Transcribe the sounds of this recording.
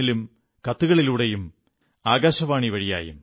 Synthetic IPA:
ilum | kɐt̪ːuɣɐɭiluːɽe̞jum | aːɡaːɕɐʋaːɳiʋɐɻija̰ːjṵm

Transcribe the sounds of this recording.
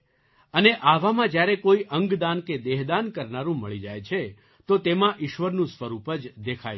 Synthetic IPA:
əneʔaʋamãd͡ʒjaɾekoiʔəŋɡd̪anked̪eɦd̪ankəɾnaɾũməɭid͡ʒajt͡ʃʰe | t̪ot̪emãʔɪʃʋəɾnũsʋəɾupəd͡ʒd̪ekʰaj

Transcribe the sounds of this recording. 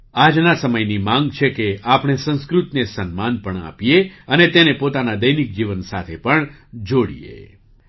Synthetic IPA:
ad͡ʒnasəməjnimãŋɡt͡ʃʰekeapɽ̃esə̃nskɾut̪nesənmanpəɳa̰pieənet̪enepot̪anad̪əjnik̚d͡ʒiʋənsat̪ʰepəɳd͡ʒoɽḭjḛ

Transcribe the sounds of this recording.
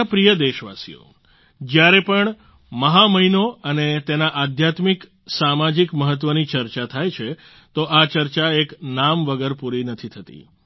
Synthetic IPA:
pɾijəd̪eʃʋa̰sḭjo̰ | d͡ʒjaɾepəɳ | məɦaməɦinoənet̪enaʔad̪ʱjat̪mik | samad͡ʒikməɦət̪̬ːʋənit͡ʃəɾt͡ʃat̪ʰajt͡ʃʰe | t̪oʔat͡ʃəɾt͡ʃaeknamʋəɡəɾpuɾinət̪ʰit̪ʰət̪ḭ

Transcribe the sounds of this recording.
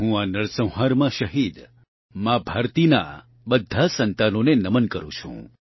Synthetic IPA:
ɦũanəɭsə̃wɦaɾmãʃəɦid̪ | mãbʱaɾt̪ina̰ | bəd̪ʱːasənt̪anonenəmənkəɾṵ̃t͡ʃʰṵ̃

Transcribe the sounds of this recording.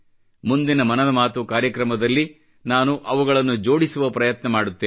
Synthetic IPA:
mund̪inɐmɐnɐd̪ɐmaːt̪ukaːɾjɐkɾɐmɐd̪ɐlːi | naːnuʔɐʋuɡɐɭɐnːud͡ʒo̞ːɽisuʋɐpɾɐjɐt̪nɐmaːɽut̪ːeː

